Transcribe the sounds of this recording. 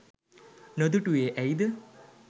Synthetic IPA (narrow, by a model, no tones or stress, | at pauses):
nod̪uʈueːʔæjd̪ə